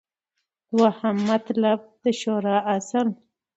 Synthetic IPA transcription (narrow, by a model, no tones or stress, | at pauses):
d̪̥wahamːat̪lab̚d̪əʃoɾɑʔasəl